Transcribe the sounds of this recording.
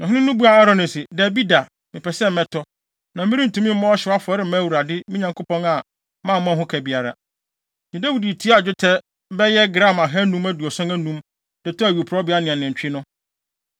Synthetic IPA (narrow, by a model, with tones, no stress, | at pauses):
nʊ̃˨ɦnɪ̃˦nʊ̃˦bu˦a˨a˦ɾɔ˨˦nɪ˨sɪ˨dɛ˨bi˦da˨ | mɪ̃˨pʰɛ˨sɛ˦m̩˨mɛ̃˦tʰɔ˦ | nã˨mɪ̃˦ɾi˦n̩˨tʰũ˦mĩ˦m̩˦mã˦ɔ˦ɕɪ˨wa˦fʊ˨ɔ˨˦ɾɪ˦mɛ̃˦wu˨ɾa˨dɪ˦mɪ̃˦ɲã˨ŋkʰo˦pɔ̃˦na˨ | mã˦˨m˦mã˦ɦʊ̃˦kʰæ˨bi˨a˨ɾa̰˨ | ɲĩ˨dæ˦wi˨di˨tʰi˦a˦˨d͡ʑᶣʊ˦tʰɛ˦ | bɛ˦jɛ˦ɡɾã˦˨ma˨ɦɛ˦nũ˦mæ˦du˨ɔ˨sã˦næ˦nũ˦m | d̥ɪ˨tʰɔ˦æ˨ɥo˨pʰɾɔ˦bɪ˨˦a˦nɪ̃˨ã˨nɪ̃˨ɲᶣ˨ɪ˦nʊ̃˦